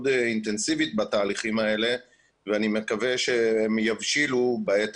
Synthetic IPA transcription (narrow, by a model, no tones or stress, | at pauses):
d̪int̪e̞nsivit̪̚bat̪aːliχimae̞le̞ | veanimekave̞ʃeemjavʃilubeet̪